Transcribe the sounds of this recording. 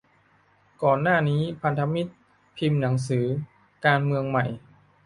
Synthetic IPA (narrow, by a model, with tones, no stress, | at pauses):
kɔː˨˩nːaː˥˩niː˦˥pʰa˧nt̪ʰa˧mi˦˥t̪̚ | pʰi˧mna˩˦ŋs̬ɯː˩˦ | kaː˧nmɯ˧əŋma˨˩j